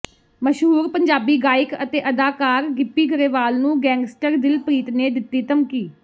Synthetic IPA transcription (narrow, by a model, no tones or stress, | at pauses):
məʃɦuːɾpəɲd͡ʒaːbiːɡaːɪkə̰t̪eːʔəd̪aːkaːɾɡɪpːiːɡəɾeːʋaːlnũːɡɛ̃ːŋɡsʈəɾd̪ɪlpɾiːt̪neːd̪ɪt̪ːiːt̪əmkiː